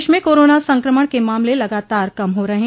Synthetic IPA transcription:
ʃmẽkoːɾoːnasɐ̃ŋkɾəməɽkemaːmlelɐɡaːt̪aːɾkɐmɦoɾɐɦẽː

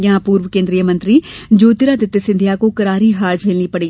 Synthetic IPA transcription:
jaãpuːɾwəkẽːnd̪ɾiːjəmə̃nt̪ɾiː | d͡ʒoːt̪ɪɾaːd̪ɪt̪ːesɪnd̪ʱjaːkõːkəɾaːɾiːɦaːɾd͡ʒʰeːlliːpəɽiː

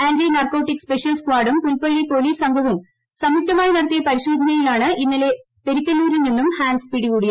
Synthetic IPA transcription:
aːndɾinɐrko̞ːʈːikspe̞ʂɐlsflaːɽumpulpɐɭːipo̞ːliːsɐŋɡʱɐʋum | sɐmuk̚t̪ɐmaːjinɐɽɐt̪ːijɐpɐɾiɕoːd̪ʱɐnɐjilaːɳɨʔinːile̞ | peɾikʲːɐlːuːɾulninːumhaːnspiɽikuːɽija

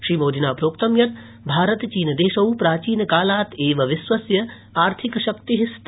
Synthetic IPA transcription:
ʃɾiːmoːd̪ʱinaːpɾoːkt̪ɐmjɐt̪ | bʱaːɾɐt̪t͡ʃiːnd̪eːʃɐwpɾaːt͡ʃiːnkaːlaːt̪eːʋɐʋisʋɐsjɐ | aːɾt̪ʰikʃɐk̚t̪iɦist̪

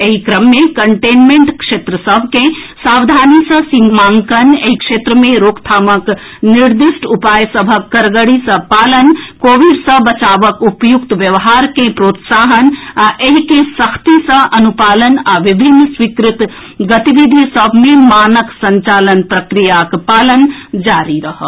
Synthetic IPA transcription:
eɦikɾɐmːẽkɐɳʈeːnmẽɳʈkʂeːt̪ɾəsəbʱkẽsaːwd̪ʱaːnisɐ̃sĩŋmaːŋkɐneɦikʂeːt̪ɾəmẽɾoːkt̪ʰaːmək | niɾd̪iʃʈupaːjsɐbʱəkːɐɾɡəɽisɐ̃paːlənkoːʋiɖsɐ̃bɐt͡ʃaːʋəkupjukt̪ʋjɐʋɦaːɾkẽpɾoːt̪saːɦənaʔeɦkesəkʰt̪isə̃ʔɐnupaːlənaʋibʱinːswikɾɪt̪ | ɡət̪iʋid̪ʱisəbʱmẽmaːnəksɐ̃ɲt͡ʃaːlənpɾəkɾijakpaːlənd͡ʒaːɾiɾɐɦə

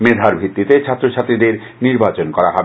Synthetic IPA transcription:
med̪ʱaɾbʱɾit̪ːit̪et͡ɕʰat̪ːɾoʃʰat̪ɾid̪eɾ | niɾbat͡ɕonkɔɾaɦɔbe

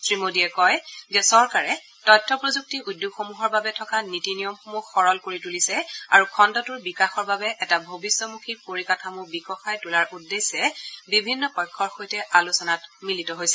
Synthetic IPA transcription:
sɹimodiɛkɔjzɛsɔɹkaɹɛ | tɔjtʰːɔpɹozuk̚tiudjoɡxomuɦɔɹbabɛtʰɔkanitinijɔmxomuxːɔɹɔlkoɹitulisɛa̰ɹukʰɔndɔtʊɹbikaxɔɹbabɛʔɛtabʱobisːɔmukʰiɹpoɹikatʰamubikɔxajtulaɹudːesɛbibʱinːɔpɔjkʰːɔɹxojtɛʔalusɔnatmilitɔɦojsɛ

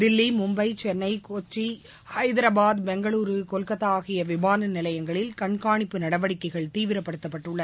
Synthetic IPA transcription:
d̪ɪlːimʊmbɐɪt͡ʃɛnːɐɪkoːt͡ʃːi | hɐɪðɪɾɐbaːd̪bɛŋɡɐɭuːɾɯkɔlkɐt̪ːaːɣɪjɐʋɪmaːnɐnɪlɐjɐŋɡɐɭɪlkɐɳkaːɳɪpːɯnɐɽɐʋɐɽɪkːɐɪɣɐɭt̪iːʋɪɾɐpːɐɽɯt̪ːɐpːɐʈːɯɭːɐð

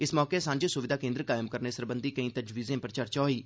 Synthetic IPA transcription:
ɪsmɔːkeːsãːɲd͡ʒsʊʋɪd̪aːkẽnd̪ɾkaːɪmkəɾneːsəɾbənd̪iːkəĩːt̪əd͡ʒʋiːzẽːpəɾət͡ʃəɾt͡ʃɔːiː

